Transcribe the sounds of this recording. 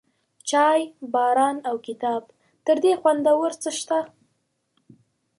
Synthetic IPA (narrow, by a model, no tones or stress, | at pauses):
t͡ʃɑjbɑɾɑnawkɪt̪ɑb | t̪əɾd̪exwand̪awəɾt͡səʃt̪a